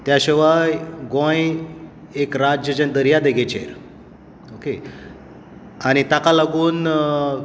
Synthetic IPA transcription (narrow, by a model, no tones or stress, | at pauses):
t̪jaɕeʋaɡõj | ekɾad͡ʑjəd͡ʑənd̪əɾijad̪eɡet͡ɕḛɾ | oke | añit̪akalaɡuːn